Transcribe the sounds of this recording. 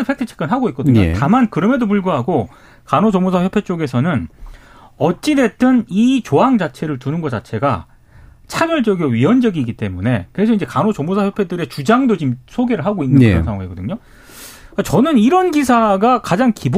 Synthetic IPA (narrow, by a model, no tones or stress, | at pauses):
ɯpʰek̚tʰɯt͡ɕʰi̥k͈ɯnɦaɡoik͈ʌdɯɲoḛtamankɯɾʌmedop̬uɭɡuɦaɡo | kanot͡ɕʌmosʰaçjopʰe̞t͡ɕ͈oɡe̞sʰʌnɯn | ʌt͡ɕ͈ide̞t͈ɯnit͡ɕoɦaŋd͡ʑat͡ɕʰe̞ɾɯɭtunɯnɡʌt͡ɕat͡ɕʰe̞ɡa̰ | t͡ɕʰad͡ʑʌɭt͡ɕʌɡioɥiʌnd͡ʑʌɡiɡit͈e̞mune̞kɯɾe̞s̬ʰʌind͡ʑe̞kanot͡ɕʌmosʰaçjopʰe̞dɯɾe̞t͡ɕud͡ʑaŋdot͡ɕimsʰoɡe̞ɾɯɭɦaɡoinːɯnɯkɾʌnsʰaŋɦaŋeɡʌdɯɲo | kat͡ɕʌnɯniɾʌnɡisʰaɡakad͡ʑaŋkib